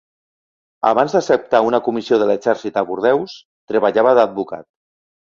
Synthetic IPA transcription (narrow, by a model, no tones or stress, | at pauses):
a̰βanzd̪əsəp̚t̪aunakumisioð̞ələɡzɛɾsit̪aβuɾð̞ɛws | t̪ɾəβaʎaβəðad̪̚buka̰t̪̚